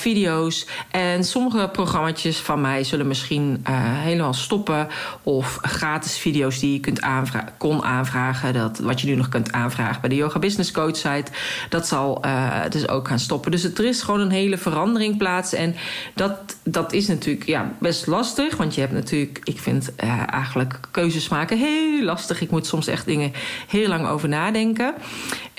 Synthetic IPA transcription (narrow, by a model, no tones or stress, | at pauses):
fidijowsʔɛnsɔməχəproχrɑmat͡ʃəsfɑnmɛjzɵlənmɪsχinəɦejləmaːlˠstɔpəɔfχraːtɪsfidijowsdijəkɵntʰaːnakɔnʔa̰ːnvraːχədtʋɑtjənynɔχkɵntʰaːnvra̰ːχəbɛjdəjowxabɪsnɪskowtsɛjtd̥ɑtsɑlˠə̰dɵso̰wkxaːnstɔpəndøs̬dərɪsχʋoːnənɦeːləvərɑndərɪŋplaːtsɛndɔtdɔtʰɪsnatʰyːləkʰja̰bɛstlɑstəχʋɑntjəɦɛp̚tnatʰyːləkɪkfɪ̰ntəɛ̰jɣənələkkːøːzəsmaːkəɦelːɑstəχɪkmutsɔmsɛ̰xt̚dɪŋəhɪːlɑŋo̰ːwvəɹnaːdɛŋkə